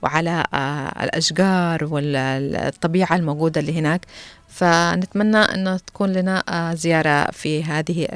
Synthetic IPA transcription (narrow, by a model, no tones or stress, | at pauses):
wɪʕala̰lʔa̰ʃɡɑːɾˤwɪt̪ˤːɑbiːʕalmoɡuːd̪aliːɦɪnaːk | fanɪt̪manːaʔɪ̰nːat̪ḁkuːnlanazɪjɑːɾˤɑ̰fiɦaːðɪɦi